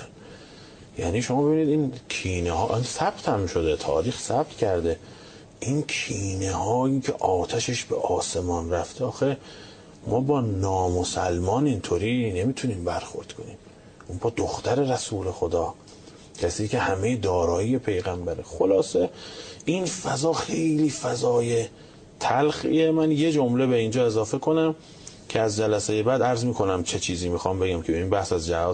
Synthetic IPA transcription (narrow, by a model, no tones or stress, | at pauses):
jæ̰ːniːʃomɒːbeiːniːd̪inkʰiːnehɒːʔinsæb̥t̪ʰhæmʃo̞d̪e̞t̪ʰɒ̰ːɾiːxsæb̥̚t̪cʲʰæɾd̪e̞ | ʔinkʰiːnehɒːjiːcʰe̞ʔɒːt̪ʰæʃeʃbḛʔɒːse̞mɒːnræft̪ʰeɒːxe | mɒːbɒːnɒːmosælmɒːnint̪ʰoɾiːne̞miːt̪ʰuniːmbæɾxo̞̰ɾd̪̥kʰo̞niːm | uːnbɒːd̪oxt̪æɾe̞ɾæsuːle̞xod̪ɒː | kʰæsiːcʰʲe̞hæmejed̪ɒːɾɒːiːje̞pʰe̞jɣæmbæɾexolɒːseinfæzɒːxejliːfæzɒːje | t̪ʰælxḭemænje̞d͡ʒomle̞be̞ind͡ʒɒːe̞zɒːfe̞kʰo̞næm | kʲʰeæzd͡ʒælæsejebæd̪æɾzmiːkʰo̞næmt͡ʃʰe̞t͡ʃʰiːziːmiːxɒːmbe̞ɡæmkʲʰebeiːnbæhsæzd͡ʒæɒː